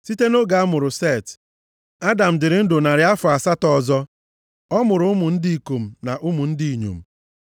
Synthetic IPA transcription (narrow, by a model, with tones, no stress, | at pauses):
si˦te˦no˦ɡa˨a˦mʊ˨ɾʊ˨se˦˨t | a˦da˨m̩˨dɪ˨ɾɪ˨˦n̩˦dʊ˨na˨ɾɪ˨˦a˦fʊ˨a˨sa˦tɔ˨zɔ˦ | ɔ˦mʊ˨ɾʊ˦ʊ˦mʊ˨n̩˦di˦i˨ko˨m̩˨na˨ʔʊ˦mʊ˨n̩˦di˦i˨ɲṵ˨m̩˨